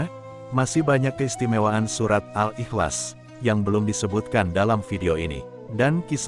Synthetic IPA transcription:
masɪhbaɲakːəist̪imewaːnsuɾat̪̚alʔixla̰s | jaŋbəlʊmdisəbut̪̚kandalamfideoinḭ | dankis

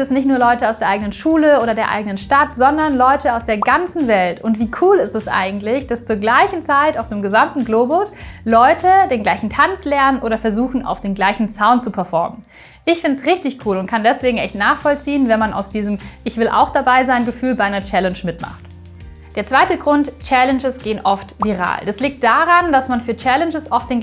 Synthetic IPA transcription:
ɛsnɪçtnuːɐlɔʏtəaʊsd̥eːɐʔaɪɡənənʃuːləʔoːɾɐdeːɐʔa̰ɪɡənənʃtatz̥ɔndɐnlɔʏtʰəaʊsd̥eːɐɡant͡sn̩vɛltʊntv̥iːkʰuːlɪstɛsʔa̰ɪɡŋ̩tlɪçd̥ast͡suːɐɡlaɪçn̩t͡saɪtaʊfd̥eːmɡəzamtn̩ɡloːbʊslɔʏtʰədeːnɡlaɪçn̩tʰant͡slɛɐnənʔoːɾɐfɛɐzuːxn̩a̰ʊfd̥eːnɡlaɪçn̩saʊ̃nt̚t͡supʰɛɐfɔɐmən | ʔɪçfɪndəsʁɪçtɪçkʰuːlʊntkʰandɛsv̥eːɡŋ̩ʔɛçtnaːχfɔlt͡siːənvɛnmanʔa̰ʊsd̥iːzəmʔɪçv̥ɪlʔa̰ʊxd̥abaɪzaɪnɡəfyːlbaɪʔaɪnɐt͡ʃɛlɛnʃmɪtma̰χt | d̥eːɐt͡sv̥aɪtəɡʁʊntt͡ʃɛlɛnd͡ʒəsɡ̥eːənʔɔftviːʁ̞a̰ːld̥asliːk̚t̚d̥aʁand̥asmanfyːɐt͡ʃɛlɛnd͡ʒəsʔɔft̚d̥eːn

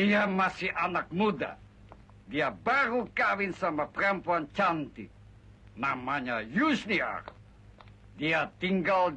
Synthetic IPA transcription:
iamasɪhʔanak̚muda̰ | diabaɾukawɪnsamapəɾampuant͡ʃant̪i | namaɲajusnia̰r | diat̪iŋɡal

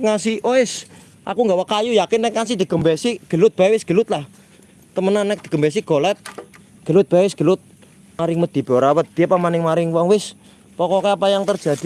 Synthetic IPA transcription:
ŋasiʔoɪs | ʔa̰kuŋɡawakajujakɪnːɛk̚ŋas̬id̪̥iɡəmbɛsiɡ̥əlʊt̪̚b̥aɛwɪsɡ̥ə̤lʊt̪̚lah | t̪əmənanːɛk̚d̪̥i̤̥ɡ̥əmbɛs̬iɡ̥olɛt̪̚ | ɡ̥əlʊt̪̚b̥aɛwɪsɡ̥əlʊt̪̚ | maɾɪŋməd̪̥i̤b̥oɾawət̪̚d̪̥iapamanɪŋmaɾɪŋwɔŋwɪs | pɔkɔkɛapajaŋt̪ər̥d͡ʒ̥a̤d̪̥i

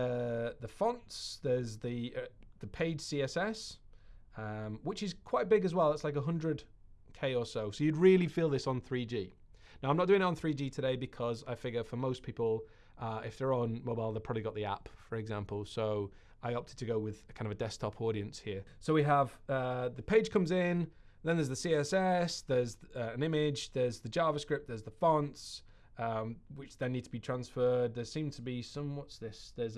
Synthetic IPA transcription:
əðəfʌ̃ntsðəzðiðəpʰeɪd̥siːɛsɛs | ʌ̃mwɪt͡ʃɪz̥kʰw̥aɪt̚b̥ɪɡəzwɛlˠðɪtslaɪkəɦʌ̃ndɹədkʰeɪəsoʊsoʊjɨdɹɪəlifiːlˠðɪsn̩θɹiːd͡ʒiː | naʊãɪmnətdʉːɪ̃ŋən̩θɹiːd͡ʒiːtʰədeɪbɪkʰɒzaɪfɪɡəfəmoʊspʰiˑpəl̩ˠ | ʔʌɪfðəɹə̃nmoʊbaɪlˠðeɪpʰɹɒbliɡɒʔðia̰pfəɹɛɡzãmpəlˠsoʊ | ʔaɪɒp̚tʰɪd̚tʰəɡoʊwɪð̥kʰãɪ̃ndəvədɛs̚tʰɒpʰɔːɾiə̃nshiə | soʊwiəv̥ʌðəpʰeɪd̥ʒ̥kʰʌ̃mzɪ̃n | ðə̃nðə˞zðəsiɛsɛsðəzʌə̃nɪ̃mɪd͡ʒðəzðəd͡ʒɑːvəskɹɪp̪̚ðə˞zðəfɔ̃nts | ʌ̃mwɪt͡ʃðə̃nːiːd̚tʰəbitʰɹ̥ãnsfɜːd̪̚ðəsĩːmtʰəbisʌ̃mwɒtsðɪsðəz

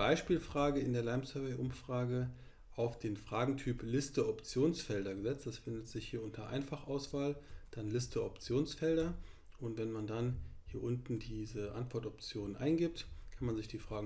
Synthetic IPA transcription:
b̥aɪʃpiːlfʁ̥aːɡəɪndeːɐlaɪmsœɐvɛɪʔʊmfʁ̥aːɡə | ʔaʊfd̥eːnfʁ̥aːɡŋ̩tʰyːplɪstəɔpt͡sjoːnsfɛldɐɡəzɛt͡std̥asfɪndətz̥ɪçhiːɐʔʊntʰɐʔa̰ɪnfaχʔaʊsv̥aːld̥anlɪstʰəʔɔpt͡sjoːnsfɛldɐ | ʔʊntvɛnmandanhiːɐʔʊntn̩diːzəʔa̰ntv̥ɔɐtɔp̚t͡sjoːnənʔa̰ɪnɡɪp̚tkʰanmanzɪçd̥iːfʁ̥aːɡ

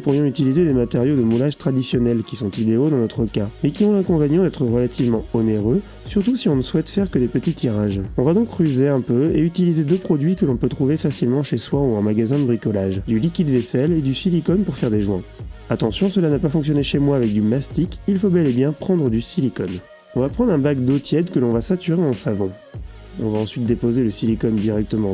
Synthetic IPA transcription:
upuʁjɔ̃yt̪ilized̪emat̪eʁjod̪əmulaʒt̪χad̪isjɔnɛlkʲisɔ̃t̪id̪eod̪ɑ̃nɔt̪χəkamɛkʲiɔ̃lɛ̃kɔ̃venjɔ̃d̪ɛt̪χəʁəlat̪ʰivmɑ̃ɔneʁø | syʁt̪usiɔ̃nəswɛt̪fɛʁkəd̪epət̪it̪iʁaʒɔ̃vad̪ɔ̃kχyzeɛ̃pøeyt̪ilized̪øpχɔd̪ɥikəlɔ̃pøt̪χuvefasilmɑ̃ʃeswauɛ̃maɡazɛ̃d̪əbʁikɔlaʒd̪ylikʲid̪vɛsɛled̪ysilikɔnpuʁfɛʁd̪eʒwɛ̃at̪ɑ̃sjɔ̃səlanapafɔ̃ks̬jɔneʃemwaːvɛk̚d̪ymast̪ikilfobɛlebjɛ̃pχɑ̃d̪ʁəd̪ysilikɔn | ɔ̃vapχɑ̃d̪ʁɛ̃bakd̪ot̪jɛd̪kəlɔ̃vasat̪yʁeɑ̃savɑ̃ | ɔ̃vaɑ̃sɥit̪̚d̪epozeləsilikɔnd̪iʁɛk̚t̪əmɑ̃

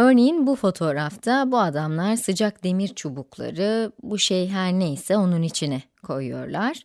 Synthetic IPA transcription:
øɾne̞jinbufo̞t̪ʰo̞ːɾaft̪ʰabuad̪amlˠaɾsɯd͡ʒak̚d̪e̞miɾt͡ʃʰobuklˠa̰ɾɯbuʃejɦæɾnejsɛo̞nunit͡ʃʰinɛ | kʰo̞jujo̞̰ɾlˠaɾ̥

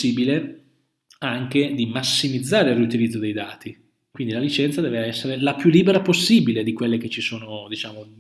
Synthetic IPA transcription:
iːbile | aŋked̪imasːimid̪zːaːɾeirːiut̪ilid̪zːod̪ejd̪aːt̪i | kwind̪ilalit͡ʃɛnt̪sad̪ɛːveɛsːeɾelapjulːiːbeɾaposːiːbiled̪ikwelːek̟et͡ʃːisoːnod̪it͡ʃaːmo

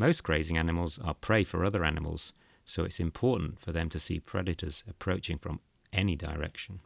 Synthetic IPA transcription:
məʊsɡ̥ɹeɪzɪ̃ŋanɪməlˠzə̰pʰɹ̥eɪfəɹʌðəɹanɪmə̰lˠz̥ | soʊɪtsɪ̃mpʰɔˑʔn̩tfəðə̃mtʰəsḭːpʰɹ̥ɛdɪɾʰəz̥əpʰɹ̥əʊt͡ʃɪ̃ŋfɹə̃m | ɛnidəɹɛ̰kʃə̃n

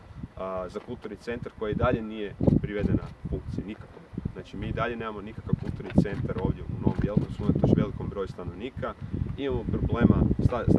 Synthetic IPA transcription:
zakulˠt̪uɾnit̪se̞nt̪aɾko̞jaid̪aʎe̞nije̞pɾiʋed̪e̞na̰fuŋkt̪sinikakoznaːt͡ʃimiːd̪aʎe̞ne̞ːmamo̞nikakaʋkulˠt̪uɾniit̪se̞nt̪aɾo̞ːʋd̪ʲje̞uno̞ʋomjelˠkomsunat̪oʃʋe̞liko̞mbɾo̞just̪ano̞ʋniːkaimamo̞pɾoble̞ːmast̪a

